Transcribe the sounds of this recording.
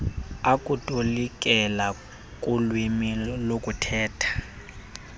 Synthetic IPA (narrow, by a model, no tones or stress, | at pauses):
akʼutʼolikʼɛla | kʼulwimilokʼutʰɛːtʰḁ